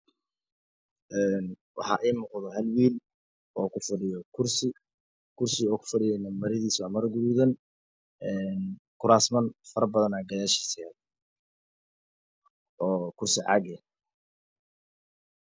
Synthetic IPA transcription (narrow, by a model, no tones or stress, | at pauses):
ʔɛːn | wɑ̰ħɑ̰ːʔiːmʊːqðɔɦɐlwiːl | ɔːkʰʊfɐɖɪjɔkʰʊrsɪ | kʰʊrsɪɔːkʰʊ̥fɐɖɪjɛnɐmɐɾɪðiːswaʕmɐɾɐɡʊɾuːðɐn | ɛnkʰʊɾaːsmɐnfɐɾɐbɐðɐnaːɡɐðaːʃi̥ːsɛ | ɔːkʰʊrsɪʕɑ̰ɡɛ